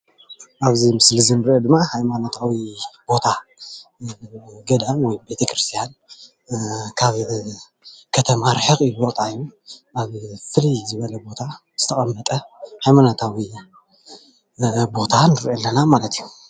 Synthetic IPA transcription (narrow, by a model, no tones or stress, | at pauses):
ʔaβzimɨslɨzɨnɨɾʔed̪ɨmːahajmanot̪ʰawibo̞t̪ʰa | ɡɐd̪amwɔjbe̞t̪ʰɐkɾɨst̪ʰijan | kʰaβ | kʰɐt̪ʰɐmaɾħɨxʼɨbot̪ʼaijːuaβfɨlijzɨβɐlɐbo̞t̪ʰa | z̥ɨt̪ʰɐχʼɐmːɐt̪ʼɐhajmanot̪ʰawi | bo̞t̪ʰanɨɾʔɐlːɐnamalɐt̪ʰiju